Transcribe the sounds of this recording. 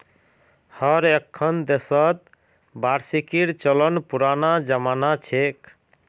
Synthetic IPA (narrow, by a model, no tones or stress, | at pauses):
həɾekʰːənd̪esət̪̚ | baɾsikiɾt͡ʃələnpuɾanad͡ʒəmanat͡ʃʰek